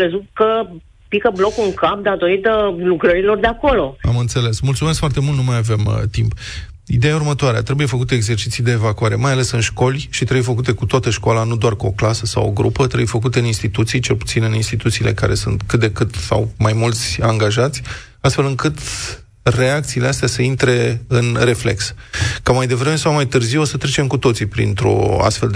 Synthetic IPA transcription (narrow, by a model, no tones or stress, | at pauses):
əzut̪̚kə | pikəblo̞kuŋkap̚d̪at̪o̞ɾit̪əlukɾəɾilo̞rd̪eako̞lo̞a̰mɨnt̪se̞le̞smult̪sumeskfoart̪e̞mult̪numajave̞mt̪imp | id̪e̞jaurmət̪oaɾea̰t̪ɾe̞buje̞fəkut̪e̞ːɡze̞rt͡ʃit̪sijd̪e̞ːvakuaɾe̞majale̞sɨnʃko̞lʲʃit̪ɾeəbujfəkut̪e̞kut̪oat̪əʃkoalanud̪oarkuo̞klasəsa̰wo̰ɡɾṵpət̪ɾeəbujfəkut̪eɨninst̪it̪ut̪sijt͡ʃe̞lpu̥t̪sinɨninst̪it̪ut̪siːle̞̰ka̰ɾe̞sunt̪kɨt̪̚d̪e̞kɨt̪sa̰wmajmult̪sʲaŋɡaʒat̪sʲ | ast̪fe̞lɨŋkɨt̪ | re̞ak̚t̪siːle̞ast̪easəint̪ɾe̞ɨnre̞fle̞̰kskamajd̪e̞vɾe̞me̞sawmajt̪ɨrziwosət̪ɾe̞t͡ʃe̞mkut̪o̞t̪sipɾḭnt̪ɾo̞̰a̰st̪fe̞ld̪